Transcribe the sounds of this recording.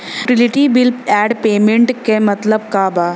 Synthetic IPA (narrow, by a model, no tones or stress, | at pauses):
ʈiliʈibilpɛːɖpeːmẽɳʈkemɐt̪ləbkabaː